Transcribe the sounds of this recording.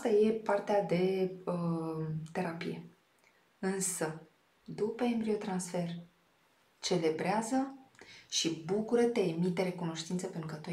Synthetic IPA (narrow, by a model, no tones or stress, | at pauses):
st̪aje̞part̪ead̪e̞ət̪e̞ɾapḭje̞̰ | ɨnsə | d̪upəembɾio̞t̪ɾansfe̞r | t͡ʃe̞le̞bɾeazəʃibukuɾət̪eːmit̪eɾe̞kuno̞ʃt̪int̪səpe̞nt̪ɾukət̪u